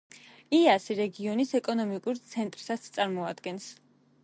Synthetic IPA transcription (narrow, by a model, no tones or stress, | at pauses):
iasiɾɛɡiɔnisɛkʼɔnɔmikʼuɾt̪sʰɛnt̪ʼɾsat̪st̪sʼaɾmɔad̪ɡɛns